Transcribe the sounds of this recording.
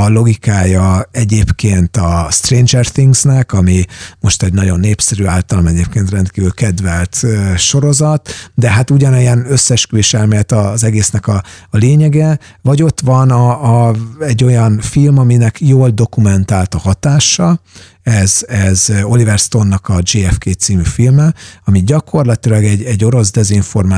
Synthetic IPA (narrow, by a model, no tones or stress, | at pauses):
ɒlo̞ɡikaːjɒɛɟeːpkeːnt̪ɒst̪reːnd͡ʒɛrθiŋɡznɛkɒmimo̞ʃt̪ɛɟnɒɟo̞nːeːpsɛɾyaːlt̪ɒlomɛɟeːp̚keːnt̪rɛnt̪kiːvylkɛd̪vɛlt̪øːʃo̞ɾo̞zɒt̪d̪ɛɦat̪uɟɒnɛjɛnø̞sːɛʃkyliʃɛlmɛjɛt̪ɒzɛɡeːsnɛkɒːleːɲɛɡɛvɒɟo̞t̪ʋɒnɒ | ɛɟːo̞jɒnfilmɒminɛkʰjoːld̪o̞kumɛnt̪aːlt̪ɒhɒt̪aːʃɒ | ɛzɛzo̞livɛrst̪o̞nːɒkɒd͡ʒeːɛfkeːt̪siːmyfilmɛɒmiɟɒkʰo̞rlɒt̪ilɒɡɛɟɛɟːo̞ɾo̞zd̪ɛziɱfo̞rma